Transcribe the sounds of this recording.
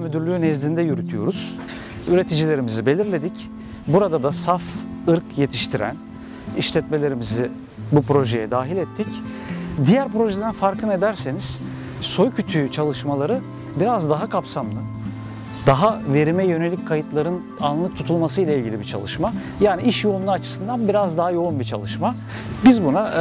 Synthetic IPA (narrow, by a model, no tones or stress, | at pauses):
myd̪yɾlʲyjnɛzd̪ind̪ɛjyɾyt̪ʰyjo̞̰ɾuz̥ | yɾe̞t̪ʰid͡ʒilʲe̞ɾimizibe̞lʲiɾlʲe̞d̪ic | buɾad̪ad̪asafɯɾkje̞t̪ʰi̥ʃt̪ʰiɾæ̰n | iʃlʲɛt̪me̞lʲe̞ɾimizi | bupɾo̞ʒe̞jɛd̪aːɦilʲɛt̪ʰːic | d̪ijæɾpɾo̞ʒɛd̪ænfaɾkʰɯne̞d̪æɾse̞niz̥ | so̞jcʰyt̪ʰyt͡ʃʰalˠɯʃmalˠaɾɯ | biɾazd̪aɦakʰapsamlˠɯ | d̪̥aɦave̞ɾimɛjø̞ne̞lʲicʲkʰajɯt̪lˠaɾɯn | anlˠɯk̚t̪ʰut̪ʰulˠmasɯjlʲˠailʲɟʲilʲibit͡ʃʰa̰lˠɯʃma | jaːniʔiʃjo̞unlˠaːt͡ʃʰɯ̥sɯnd̪anbiɾazd̪aɦajo̞unbit͡ʃʰa̰lˠɯʃma | bizbuna